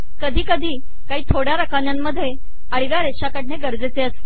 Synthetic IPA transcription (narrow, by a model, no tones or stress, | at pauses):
kəd̪ʱiːkəd̪ʱiː | kaɦiːt̪ʰoɽ̤jaɾəkanjamːəd̪ʱːje | əɽiʋjaɾeɕakəʈɳeɡəɾd͡zet͡seəst̪e